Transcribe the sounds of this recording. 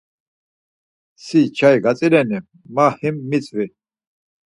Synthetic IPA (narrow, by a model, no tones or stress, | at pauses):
sit͡ʃʰaiɡat͡sʼilɛni | mahimːit͡sʼvi